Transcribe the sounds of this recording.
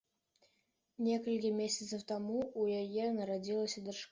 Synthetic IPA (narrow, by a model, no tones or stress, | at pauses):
nʲeskəlʲkʲɪmʲesʲɪt̪səft̪amuujajenəɾɐdʲilˠəsʲd̪ərʂk